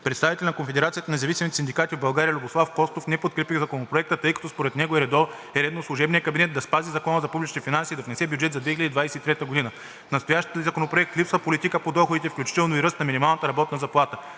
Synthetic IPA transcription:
pɾɛt̪st̪avit̪ɛlʲnɐkonfɛd̪ɛɾat̪sijət̪ənɐzɐvisʲimit̪ɛsind̪ikat̪ivbɐlˠɡaɾijəlʲuboslˠafkɔst̪ofnɛpot̪kɾɛpiɣzɐkonopɾoɛkt̪ət̪ɤjkɐ̥t̪ɔspoɾɛt̪nɛɡoɛɾɛd̪ɔɾ | ɛɾɛd̪noslˠʊʒɛbnijəkɐbinɛt̪d̪ɐspazizɐkɔnəzɐpublit͡ʃnifinansiːd̪ɐvnɛsɛbʲjud͡ʒɛt̪zɐd̪vɛxilʲəd̪id̪vajsɛit̪ɾɛt̪əɡod̪inə | nɐst̪ojaʃt̪iəzɐkonopɾoɛk̚t̪lipsvəpolit̪ikəpod̪ɔxod̪it̪ɛfklʲut͡ʃi̥t̪ɛlˠnoiɾɤst̪nɐminimalˠnət̪əɾɐbɔt̪nɐzɐplˠat̪ə

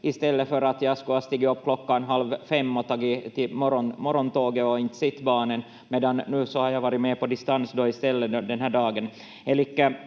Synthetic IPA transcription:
ɪst̪ɛlːəfœɾat̪jɑskʊast̪iːɡɔpːkʰlɔkːanɦalvfɛmːɔt̪ʰɑːɡɪt̪ɪmɔɾɔnmɔɾɔnt̪oːɡəɔɪnt̪sɪt̪ːbɑːnən | meːd̪ɑnːʉ̟ːsɔhɑɾjaʋɑːɾɪmeːpɔd̪ɪst̪ansd̪ɔɪst̪ɛlːəd̪ɛnɦæːɖɑːɡən | ɛlɪkːə

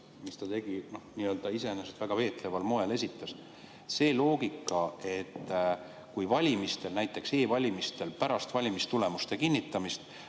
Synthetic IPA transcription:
mist̪ɑt̪e̞ɡ̥ino̞hniːø̞ːld̪̥ɑise̞eneset̪væɡ̥ɑve̞ːt̪ˑle̞vɑlmo̞e̞le̞s̬ʲit̪ːˑɑs | se̞ːlo̞ːɡ̥ikːˑɑe̞t̪ːˑ | kujvɑlʲimist̪e̞lnæjt̪ːˑe̞kse̞ːvɑlʲimist̪e̞lpæɾɑst̪vɑlʲimist̪ule̞must̪e̞kinːit̪ːˑɑmist̪

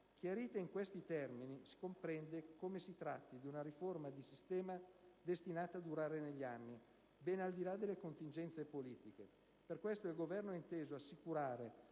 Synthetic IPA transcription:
k̟jaɾiːt̪eiŋkwest̪it̪ɛrminisi̥kompɾɛnd̪ekomesit̪ɾat̪ːid̪iunaɾiformad̪isist̪ɛːmad̪est̪inaːt̪aːd̪uɾaːɾeneʎːianːi | bɛːnald̪ilad̪elːekont̪ind͡ʒɛnt̪sepoliːt̪ike | perkwest̪oɛilɡovɛrnoɛint̪eːzoasːikuɾaːɾe

